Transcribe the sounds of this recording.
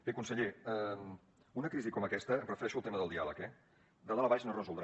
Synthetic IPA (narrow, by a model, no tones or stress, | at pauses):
bekunsəʎeəm | unəkɾizikɔməkɛst̪ərəfəɾɛʃuəlˠt̪eməðəlˠd̪ialəkɛ | d̪əlˠaləβaʃnorəzulˠd̪ɾ